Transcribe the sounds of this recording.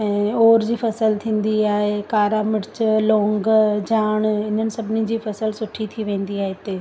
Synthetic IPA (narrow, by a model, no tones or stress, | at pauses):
ɛ̃ːoːɾd͡ʑiːfɐsəlt̪ʰĩːn̆d̪iaːɦekaːɾamɪɾt͡ɕlõːŋɡd͡ʑaːɽ̃ɪn̤ənɪ̆sɐbʱɪnid͡ʑiːfɐsəlsʊʈʰit̪ʰiʋẽːn̆d̪iaːɦet̪eː